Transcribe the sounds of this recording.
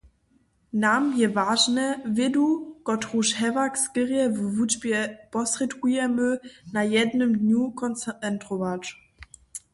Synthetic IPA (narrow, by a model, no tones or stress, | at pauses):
namjɛvaːʒnɛvɪdukɔtʁuʃhɛvakskəʁjɛvvud͡ʒbjɛpɔsʁɛtkujɛmənajɛdnəmdɲukɔnɛntʁɔvat͡ʂ